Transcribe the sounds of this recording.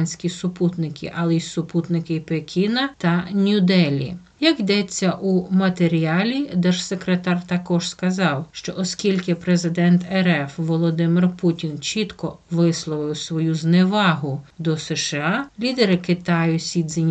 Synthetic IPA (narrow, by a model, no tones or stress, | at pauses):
nʲsʲkʲisʊput̪nɪkʰʲɪ̰ʔɐlˠɛisʊput̪nɪkɪpekʲinɐt̪ɐnʲʊd̪ɛlʲḭ | jɐkjd̪ɛt͡sʲːɐʔumɐt̪eɾʲiɑlʲid̪ɛʒsekɾet̪ɑrt̪ɐkɔʒskɐzɑwʃt͡ʃɔʔɔskʲilʲkɪpɾezɪd̪ɛnt̪ɛɾɛfʋɔlˠɔd̪ɪmɪrputʲint͡ʃʲit̪kɔʋɪslˠɔʋɪwsʋɔjuzneʋɑɦʊd̪ɔsɛʃeɑlʲid̪eɾɪkɪt̪ɑjʊsʲid̪zenʲ